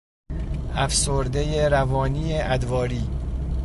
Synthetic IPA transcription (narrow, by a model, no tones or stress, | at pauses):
ʔæfsoɾd̪ejeɾævɒːniːeʔæd̪vɒːɾiː